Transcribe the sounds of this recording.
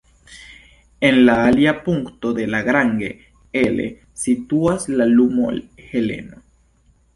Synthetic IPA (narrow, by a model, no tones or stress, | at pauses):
enlaaljapuŋkt̪oðelaɣɾaŋɡe | elḛ | sit̪uaslalumo̰lxelḛno